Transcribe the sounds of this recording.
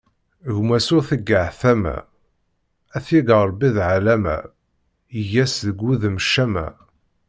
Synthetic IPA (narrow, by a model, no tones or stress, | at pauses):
ɣmæsʊθəɡːaʕθæmæ̰ | æθiɡəɾˤbiðʕalæmæ̰ | ijæsðəɡuðməʃːæmæ̰